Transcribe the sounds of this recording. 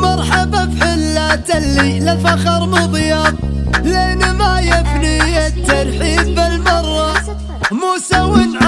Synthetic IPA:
mɑɾˤħababħɪlːat̪alːilafɑqɑɾˤmʊðˤjɑt̪̚ˤleːnmajɪbnijɪt̪ːɑɾˤħiːbɪlmɑrˤːɑ | musawɪnʕ

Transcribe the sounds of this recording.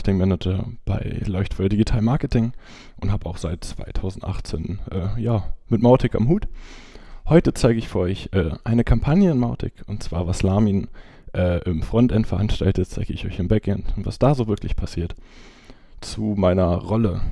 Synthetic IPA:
tɪŋmɛnətəb̥a̰ɪlɔʏçtfɔldiɡitʰaːlmaɐkətʰɪŋ | ʔʊnthaːbəaʊxz̥aɪt̚t͡sv̥a̰ɪtʰaʊzn̩tʔa̰χt͡sḛːnʔɛːjaːmɪtmaʊtʰɪka̰mhuːt | hɔʏtət͡saɪɡəɪçfyʔɔʏçʔɛːʔaɪnəkʰampʰanjəɪnmaʊtʰɪ̰kʊntt͡sv̥a̰ːɐvaslaːmiːn | ʔɛːʔɪmfʁ̥ɔntʔɛntfɛɐʔanʃtaltət̚t͡saɪɡəɪçɔ̰ʏçɪnbɛkʔɛntʊntv̥a̰sd̥aːzoːvɪɐklɪçpʰasiːɐt | t͡sumaɪnɐʁɔlə

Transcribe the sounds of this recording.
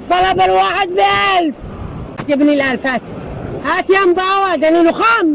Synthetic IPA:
t̪ˤːɑlɑbalwaːħɪd̪̚bialf | at̪abnilʔalfat̪hat̪ijambaːwad̪aniluxam

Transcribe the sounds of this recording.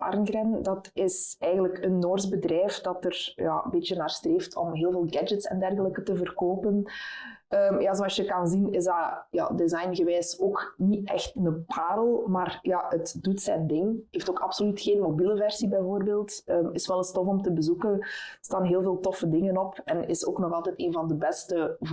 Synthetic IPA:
ɑ̰rnɡrɛndɑtɪsɛːɣənləkənːoːrzbədrɛːfdɑtərja̰əmbeːtjənaːrstreːftʰɔ̰mɦeːlˠveːlˠɡɛd͡ʒətsɛ̰ndɛrɣələkətəvərkoːpən | əmjaːzoɑsjəkɑnzinɪzdɑja̰ːdɪzɑjnɣəʋɛːsoːkniɛ̰xtnəpʰaːɾəlˠmaːrjaətdutsɛ̰ndɪŋɦeːftoːkɑpsolytxeːnmobiləvɛrsibɛjvoːrbeːlˠtəːmɪsʋɛlˠɪstɔfɔmtəbəzukənstaːnɦeːlˠveːlˠtɔfədɪŋənɔpɛnɪ̰so̰ːknɔɣɑlˠtɛteːnvɑndəbɛstə

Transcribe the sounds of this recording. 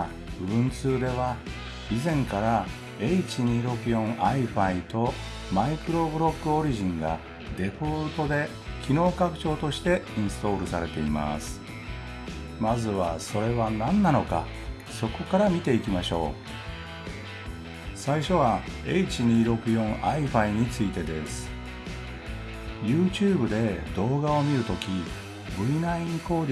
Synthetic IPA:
ɯ̟̃nt͡sɨːd̪e̞βa | izẽ̞ŋkaɾa | eit͡ɕiɲ̟iːɾo̞kɯ̟jõ̞ŋʔaiɸait̪o̞ | maikɯ̟ɾo̞bɯ̟ɾo̞kːɯ̟o̞ɾʲiʑĩŋɡa̰ | d̪e̞ɸo̞ɾɯt̪o̞d̪e̞ | kʲʰino̞ːkakɯ̟̥t͡ɕo̞ːt̪o̞ɕi̥t̪e̞ĩɰ̃sɨ̥t̪o̞ːɾɯ̟saɾe̞t̪e̞ima̰sɨ̥ | mazɨβaso̞ɾe̞βanãnːano̞ka̰ | so̞ko̞kaɾamʲit̪e̞ikʲimaɕo̞̰ː | saiɕo̞βaeit͡ɕiɲ̟iːɾo̞kɯ̟jõ̞ɴ̃aiɸaiɲ̟it͡sɨit̪e̞d̪e̞sɨ̥ | jɯ̟ːt͡ɕɨːbɯ̟d̪e̞d̪o̞ːɡao̞mʲiɾɯ̟t̪o̞kʲi | bɯ̟inaĩŋko̞ːɾʲ

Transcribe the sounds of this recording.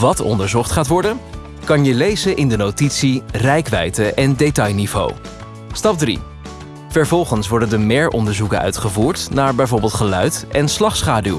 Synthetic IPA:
ʋɑtɔ̰ndəɹzɔχtχaːtʋɔɹdə | kɑnjəlejzənʔɪndənotitsirɛjkʋɛ̰jtəʔɛndetɑjnivo̰w | stɑp̚drḭ | v̥ɛɹvɔlˠχənsʋɔɹdəndəmɪːɹʔɔ̰ndəɹzukə̰nœ̰ɥtχəvuːɹtnaːɹbɛjvoːɹbɪːlˠtχəlœɥtɛnslɑχsχaːdylˠ

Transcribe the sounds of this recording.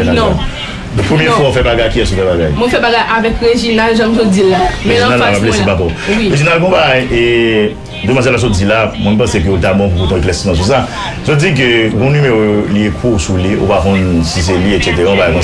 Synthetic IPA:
nañ | dpʁømjɛfwaofɛbaɡajkiɛsufɛbaɡajmwɛmfɛbaɡajʔavɛkɣeʒinalʒãmzod͡zilːaɛinalːaapablesebakɔwiɣeʒinalɡɔ̃baɡaje | d̪ømãsɛlas̬ot͡silamw̃ɛ̃m̩pɐ̃sek̬øot̪̬abɔ̃p̬uput̪ɔ̃eklɛsinãs̬us̬a | zod͡zik̬øɡɔ̃nymeʁooliekʰusulio̰pakɔ̃nsis̬elietset̪̬eɣãbaɡakɔ̃

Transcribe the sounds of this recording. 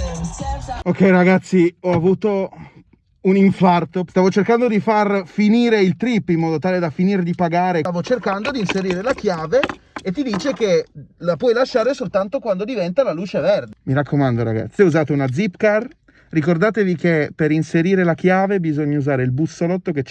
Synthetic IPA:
okːɛjɾaɡat̪sːiɔavuːt̪o | uniɱfart̪ost̪aːvot͡ʃerkand̪od̪ifarfiniːɾeilt̪ɾipːimːɔːd̪ot̪aːled̪afiniːɾed̪ipaɡaːɾeavot͡ʃerkand̪od̪inseɾiːɾelakjaːveːt̪ːid̪iːt͡ʃek̟elapwɔjlaʃːaːɾesolt̪ant̪okwand̪od̪ivɛnt̪alaluːt͡ʃevɛrd̪emiɾakʰːomand̪oɾa̰ɡa̰t̪sːuzaːt̪eunad̪zipkar | rikord̪aːt̪evikepeɾinseɾiːɾelak̟jaːvebizoɲːauzaːɾeilbusolɔt̪ːoket͡ʃ

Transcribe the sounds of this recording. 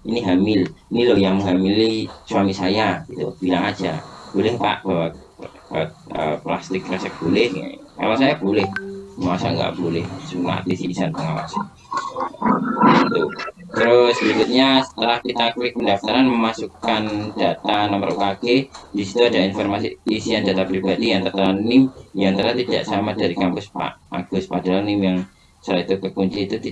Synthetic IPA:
iniɦamɪlinilohjaŋɦamilːisuamisajaɡ̥it̪ub̥ilaŋad͡ʒab̥olɛhpa̰ʔb̥awa | əəplast̪ɪk̚ɾasɛk̚b̥olɛhŋa̰ka̰wasajab̥olɛhəmasa̰kŋɡa̰ʔb̥olɛhsuka̰a̰t̪isiisanpəŋawa̰san | ɡit̪u | t̪ɾʊslid͡ʒʊt̪̚ɲasə̥t̪əɾahkit̪akipəndaft̪aɾanməmasukand̥at̪anɔməɾo̰ʔkaked̥isi̥t̪uadainfɔrmasḭisiandat̪apɾibadijaŋt̪ərt̪əɾanːɪmjaŋt̪ərat̪ida̰ʔsamadaɾikampʊspa̰ʔa̰ɡ̥ʊspadalanɪmjaŋ | səlait̪ukəkuɲt͡ʃiːt̪ut̪i

